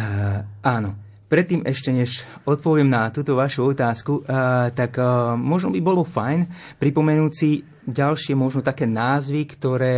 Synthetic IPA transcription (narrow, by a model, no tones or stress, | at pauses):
aːnɔ | pɾɛt̪ːiːmɛʃcɛɲɛʃɔt̪̚pɔʋɪɛmnat̪uːt̪ɔʋaʃuɔt̪aːskut̪akmɔʒnɔbibɔlɔfajn | pɾipɔmɛnuːsi | ɟalʃɪɛmɔʒnɔt̪akɛːnaːzʋikt̪ɔɾɛː